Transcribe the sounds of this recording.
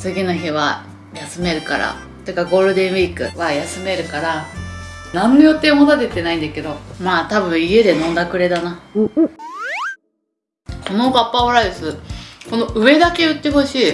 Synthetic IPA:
t͡sɨɡʲinoçiβa | jasɨme̞ɾɯ̟kaɾa̰ | t̪oɯ̟kːaɡo̞ːɾɯ̟d̪ẽ̞ɰ̃iːkɯ̟̰βajasɨme̞ɾɯ̟kaɾa | nãnːojot̪ːe̞mot̪at̪et̪ːe̞naĩnd̪ake̞d̪o̞maːt̪abɯ̟̃ɰ̃ie̞d̪e̞nõnd̪akɯ̟ɾe̞d̪ana | konobapːaβaɾaid̪esɨko̞no̞ʔɯ̟e̞d̪ake̞ɯ̟t̪ːe̞ɦo̞ɕiː

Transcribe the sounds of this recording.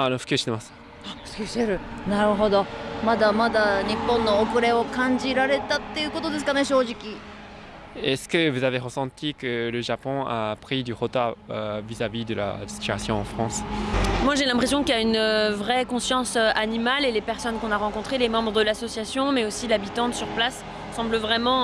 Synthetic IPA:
anɔfkʲøsinemas | askʲiseɾɯ̟naɾɯ̟ɦod̪omad̪amad̪aɲipːɔ̃nːoːkɯ̟ɾeokãɲd͡ʑiɾaɾe̞t̪at̪ːejɯkot̪od̪esɨ̥kaneɕoːʑikʲi | ɛskəvuzaveʁəsɑ̃t̪ikələʒapɔ̃apχid̪yʁot̪aøvizavid̪əla̰si̥t̪ya̰sjɔ̃ɑ̰̃fχɑ̃smwaʒelɛ̃pχesjɔ̃kiaynøvʁɛkɔ̃sjɑ̃søʔanimalelepɛʁsɔnkɔ̃naʁɑ̃kɔ̃t̪χelemɑ̃bʁəd̪əlasɔsjasjɔ̃mɛosilabit̪ɑ̃syʁplasː | ɑ̃bləvʁɛmɑ̃

